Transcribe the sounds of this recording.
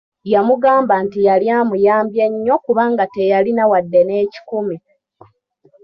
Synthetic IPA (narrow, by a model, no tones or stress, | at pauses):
jamuɡaːmbantijaljaːmujaːmbje̞ɲːo̞kuβaŋɡate̞jalinawadːene̞ːci̥kumi